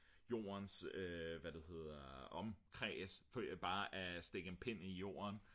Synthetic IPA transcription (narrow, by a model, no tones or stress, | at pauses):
jo̝̰ːɐnsøʋæd̥e̝he̝ð̞̰ˠɐɒ̽mkʰʁɛ̰sfɒ̽jb̥ɑ̈ːʔæsd̥e̝ɡ̥əenpʰen̰ijo̝̰ːɐn